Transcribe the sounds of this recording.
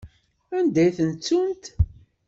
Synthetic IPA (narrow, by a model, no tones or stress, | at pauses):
ænd̪æjθənt͡sːunt̪